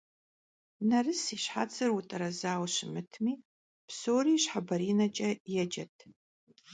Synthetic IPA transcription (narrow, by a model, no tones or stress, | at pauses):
nɐrɨsiːɕħa̰ːt͡sʰʼɨrwʊtʼɐɾɐzaːwɕɪmɨtʰmiː | psoːriːɕħabɐɾiːnɐt͡ʃʼɐjɛd͡ʒɐtʰ